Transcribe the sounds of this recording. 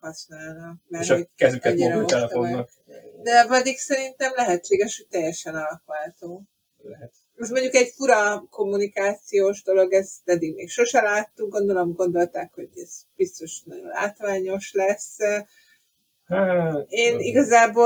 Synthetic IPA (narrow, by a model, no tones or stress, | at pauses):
hɒsnaːlnɒmɛiɛɲɾɛmoɛt̪n | d̪ɛvɛd̪iksɛɾint̪ɛmlɛɦɛt͡ʃːeːɡɛʃhoc̚t̪ɛjːɛʃɛnɒlɒkʋat̪oː | mɛʃmo̞ɲɟukɛɟfuɾɒko̞mːunikaːt̪sijoːʒd̪o̞lo̞ɡɛzt̪ɛd̪iɡmeːkʃo̞ʃɛlaːt̪ːuŋɡo̞nd̪o̞lomɡo̞nd̪o̞lt̪aːkho̞ɟɛz̥b̥ist̪o̞ʃnɒɟo̞̰nla̰ːt̪ʋaːɲo̞ʃlɛs | eːniɡɒzaːbo